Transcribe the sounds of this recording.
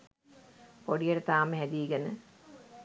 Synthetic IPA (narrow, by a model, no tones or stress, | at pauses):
poɖijəʈət̪aːməɦæd̪iːɡenə